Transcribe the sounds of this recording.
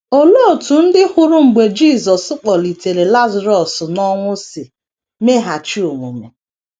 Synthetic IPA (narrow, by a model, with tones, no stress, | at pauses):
o˦lo˦˨tu˨n̩˦dɪ˦hʊ˦ɾʊ˦ŋ͡m̩˨ɡ͡be˨d͡ʒiː˦˨zɔ˨sʊ˦k͡pɔ˨li˨te˨ɾe˨la˦za˨ɾɔ˨snɔ˦ŋʷʊ˦sɪ˨ | me˦ɦa˨t͡ʃi˦o˨ŋʷu˨me˨